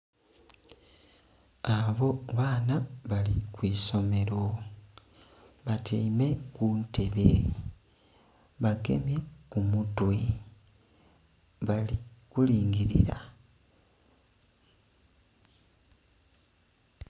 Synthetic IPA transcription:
aβo̞βaːnaβalikwiːso̞me̞ɾo | βatʰiːme̞kuːnte̞βe | βaɡe̞̰mjekumutwi | βalikuliːŋɡiɾḭɾa̰

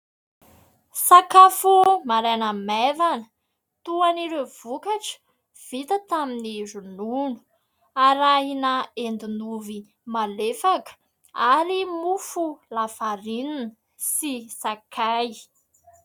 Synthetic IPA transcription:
sakafumaɾanamevanə̥ | t̪uaniɾev̥ukaʈ͡ʂə̥ | v̥it̪ət̪aminirununu̥ | aɾaɦinaend̪inuvi | malefakə̥ | aɾimufulafaɾinnə | sisakʰaj

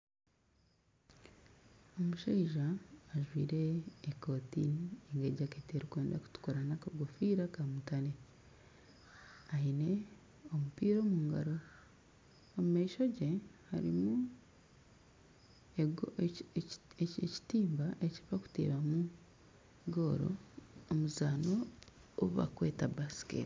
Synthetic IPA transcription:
omuʃaiʒaːʒwiːɾe̞ːkotḭnieŋɡeɟakeːteɾikwe̞ːndaku̥tu̥kuɾanakaɡofiːɾakamutane | aine̞ | omupiːɾo̞ːmuːŋɡa̰ɾo̞ | omumaiʃo̞ɟe̞haɾḭmu | eɡ | eci̥tiːmbaʔe̞ci̥faku̥tḛːβamu | ɡo̞ɾo̰ːmuzaːno | oβa̰kwe̞ːtabasi̥kḛːti̥

